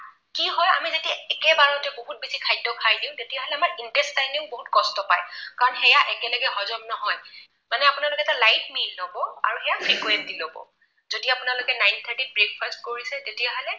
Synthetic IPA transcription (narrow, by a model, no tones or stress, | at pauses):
kiɦɔja̰mizetiaɛkɛbaɹɔtɛboɦut̚bisikʰajdɔkʰajdiʊ̃tetijaɦɔlɛamaɹintɛstajniŋboɦutkɔstɔpajkaɹɔnxɛjaʔɛkɛlɔɡɛɦɔzɔmnɔɦɔj | manɛapunalokɛɛtalajtmilːobɔaɹuxɛjapʰɹikuwɛntilobɔ̰ | zodiapʊnalʊkɛnajnt̪ʰaɹtit̚bɹek̚fʰastkoɹisɛtetiaɦɔlɛ